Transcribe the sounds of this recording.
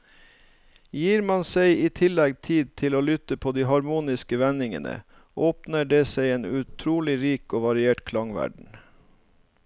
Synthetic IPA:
jiːɾmɑnseɪiːt̪ʰɪlɛɡt̪ʰiːd̪̚t̪ʰɪloːlʏt̪əpʰoːd̪iːɦɑɾmuːnɪskəʋɛnɪŋə̰nə̰ | ʔoːpnəɖeːseɪeːnʉt̪ʰɾuːlɪɾiːkoːʋɑɾɪeːʈkʰlɑŋʋæ̰ɖɳ̩

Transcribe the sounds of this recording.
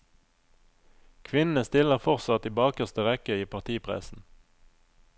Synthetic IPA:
kʰʋɪnn̩əst̪ɪləʁfɔʁsɑt̪iːbɑːkəʁst̪əʁɛkəiːpʰɑʁt̪ʰiːpʰʁɛ̰sn̩

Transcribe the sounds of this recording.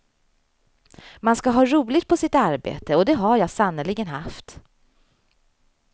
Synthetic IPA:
manskaɦɑːɾuːlɪɡ̚t̪̚pʰɔsɪt̪aɾbḛːt̪əɔd̪ɛɦaɾjɑːɡsanːəlɪɡənɦaft̪

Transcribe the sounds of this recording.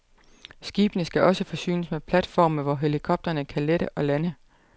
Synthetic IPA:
sɡ̥iːb̥ənəsɡ̥æʔɒ̽səfɒ̽sy̰ːnəsmepʰlæd̥fɒ̰ːməʋɒɦe̝likʰɒ̽b̥̚d̥ɐnəkʰæleɾəʔɒ̽lænə

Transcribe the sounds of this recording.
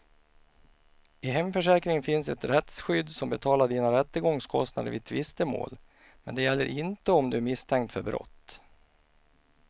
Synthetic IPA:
ɪɦɛmfœʂɛːkɾɪŋənfɪnsɛt̪ɾɛt̪sɧʏd̪ːsɔmbɛt̪ʰɑːlaɖiːnaɾɛt̪ːəɡɔŋskʰɔst̪na̰d̪ə̰ɾvɪ̰t̪ʰvɪst̪əmo̰ːl | mɛnd̪ɛjɛlːə̰ɾʔɪnt̪əɔmd̪ɵæɾmɪst̪ʰɛŋk̚t̪fœɾbɾɔ̰t̪ː

